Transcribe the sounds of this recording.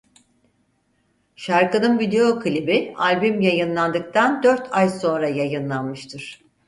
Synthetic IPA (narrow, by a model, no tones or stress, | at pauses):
ʃaɾkɯnɯnvid̪e̞jo̞kʰɯlʲibialʲbymjajɯnlˠand̪ɯk̚t̪ʰand̪øɾt̪ʰajso̞nɾajajɯnlˠanmɯʃt̪ʰɯɾ̥